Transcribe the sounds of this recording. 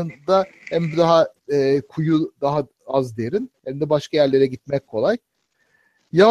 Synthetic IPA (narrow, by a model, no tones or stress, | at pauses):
ɯnd̪ahɛmbid̪aɦaɛːkʰujud̪aɦa | azd̪eɾinhɛmd̪ɛbaʃkʰajæɾlʲe̞ɾɛɟit̪mɛc̚kʰo̞lˠaj | ja